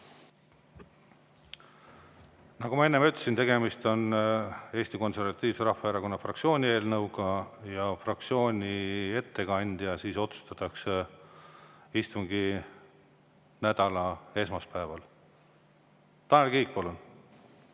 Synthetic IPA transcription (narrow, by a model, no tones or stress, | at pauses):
nɑɡumɑe̞nːemyt̪ːˑesint̪e̞ɡe̞mist̪o̞ne̞ːsʲt̪iko̞nse̞rvɑt̪ʲːˑiːvse̞ɾɑhfɑeɾɑko̞nːɑfrɑksio̞ːnʲie̞ːlnɤwɡ̥ɑjɑfrɑk̚t̪sio̞ːnʲie̞t̪ːe̞ɡɑnʲd̪̥iɑsiːso̞t̪su̥st̪ɑt̪ːˑɑkse | ist̪uŋɡi | næd̪̥ɑlɑe̞smɑspæevɑl | t̪ɑːnelkiːk̚pɑlun